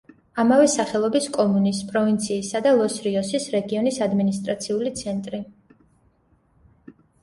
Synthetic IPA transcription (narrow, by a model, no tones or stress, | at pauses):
amavɛsaχɛlˠɔbiskʼɔmunispʼɾɔvint̪sʰiːsad̪alˠɔsɾiɔsisɾɛɡiɔnisad̪minis̬t̪ʼɾat̪sʰiulit̪sʰɛnt̪ʼɾi